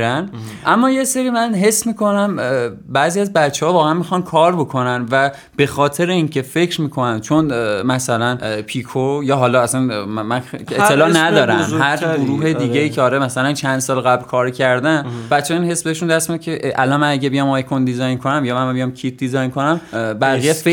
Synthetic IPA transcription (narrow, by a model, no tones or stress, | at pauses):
ɾæn | ʔæmːɒːje̞seɾiːmænɦe̞sːmiːko̞næmbæziæzbæt͡ʃʰːehɒːvɒːɣeænmixɒnkʰɒːɾbo̞kʰo̞nænvæ | b̥e̞xɒːt̪ʰe̞ɾeiːncʰe̞fe̞cʰɾmiːkʰo̞nænt͡ʃʰonmæsælænpʰikʰojɒːɦɒːlɒːæsænmmænet̪ːelɒːʔnæd̪ɒːɾæmhæɾɡoɾuːɦed̪iːɟeiːcʰeɒːɾemæsælænt͡ʃʰænd̪sɒːlɣæblkʰɒːɾcʰæɾd̪ænbæt̪t͡ʃːeiːnhe̞sbe̞eʃund̪æst̪midcʰeʔʔælɒnmænæɟæbejɒmɒjkʰond̪izɒjnkʰonæmjɒːmænbijɒmcʰit̪̚d̪izɒjnkʰo̞næmbæɣijefe